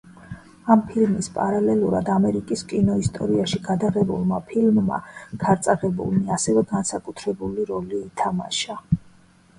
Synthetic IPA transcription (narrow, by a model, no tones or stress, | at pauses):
ampʰilmispʼaɾalɛluɾa̰d̪amɛɾikʼiskʼinɔist̪ʼɔɾiaʃiɡad̪aʁɛbṵlˠmapʰilmːa̰ɡ̥aɾt̪sʼaʁɛbṵlˠmiasɛvɛɡansakʼut̪ʰɾɛbuliɾɔliːt̪ʰama̰ʃa